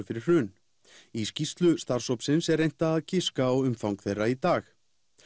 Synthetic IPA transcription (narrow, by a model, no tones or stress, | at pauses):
fɪɾɪ̥ʏːn | iscist̪lʏst̪aɾ̥sowpsɪnsɛɾejn̥t̪aːðcʰɪskaɔɣʏmfawŋkθejrːait̪aːx